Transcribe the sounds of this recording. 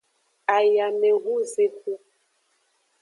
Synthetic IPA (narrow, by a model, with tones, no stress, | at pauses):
a˨ja˨mɛ˨ʔu˦ze˦ku˦